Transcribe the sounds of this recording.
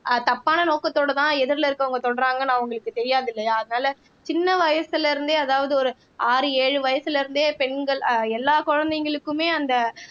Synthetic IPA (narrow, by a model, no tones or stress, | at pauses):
t̪ɐpːaːnɐnoːkɐt̪ːoːɽɐt̪ãːɛðɪɾlɐɪɾɯkːɐʋɐŋɡɐt̪ɔɽɐɾaːŋɡɐnãːʊŋɡɐɭɯkːɯt̪ɛɾɪjaːðɪlːɐjaɐðɐnaːlɐ | t͡ʃɪnːɐʋɐjɐsɪlɪɾɯnd̪eːɐðaːʋɐðɯɔɾɯ | aːɾɯeːɻɯʋɐjɐsɯlɪɾɯnd̪eːpɛnɡɐɭɛlːaːkɔɻɐnd̪ɛŋɡɐɭɯkːɯmeːɐnd̪ɐ